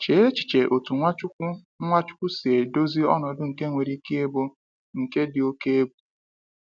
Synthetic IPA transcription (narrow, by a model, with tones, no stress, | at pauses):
t͡ʃe˨˦e˦t͡ʃi̥˨t͡ʃe˨ʔo˨tu˨ŋʷa˦ | ŋʷa˦t͡ʃʊ̥˦kʷʊ˦si˨e˨do˦zi˦ɔ̰˦nɔ˨dʊ˦ŋ̩˨ke˦ŋʷe˨ɾi˦ki˦e˦bo˦ | ŋ̩˨ke˦dɪ˨o˦ke˦e˦ɡu̥˨